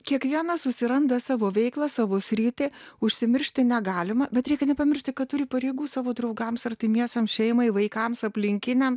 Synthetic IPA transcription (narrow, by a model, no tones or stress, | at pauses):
kʲiɛkʋʲiɛnɐsʊsʲɪɾɐnd̪ɐsɑːʋoːʋʲɛɪklˠɐsɑːʋoːsʲɾʲiːt̪ʲɪʊʃʲsʲɪmʲɪɾʲʃʲt̪ʲɪnʲɛɡɑːlʲɪmɐbʲɛt̪ɾʲɛɪkʲɛnʲɛpɐmʲɪɾʲʃʲt̪ʲɪkɐt̪t̪ʊɾʲɪpɐɾʲɛɪɡuːsɑːʋoːd̪ɾɐʊɡɐmsɐrʲt̪ʲɪmʲiɛsɐmʃʲɛɪmɐɪʋɐɪkɐmsɐpʲlʲɪŋʲkʲɪnʲɛm